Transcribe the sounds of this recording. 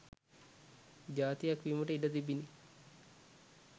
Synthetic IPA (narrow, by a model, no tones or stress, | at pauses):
d͡ʒaːt̪ijakʋiːməʈəiɖət̪ibini